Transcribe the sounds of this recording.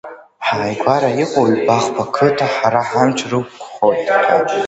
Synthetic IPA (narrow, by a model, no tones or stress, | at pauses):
ħaːjɡʷʰaɾajiqʷʼoɥbaχpʰakʰɨtʰaħaɾaħamt͡ʃʷʰrɨk̚kʷʰʼχottʰa